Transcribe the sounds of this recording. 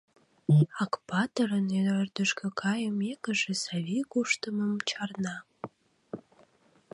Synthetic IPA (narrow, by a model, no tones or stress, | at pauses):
ɑkpɑt̪əɾəneørd̪əʃkøkʰɑjəmekə̆ʒesɑβikuʃt̪əməmt͡ɕɑrnɑ